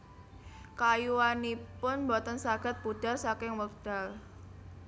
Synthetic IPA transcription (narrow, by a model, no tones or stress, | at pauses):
kajuwanipʊnmbɔt̪ənsaɡ̥a̤t̪̚b̥ud̥a̤rsakɪŋwəkd̥a̤l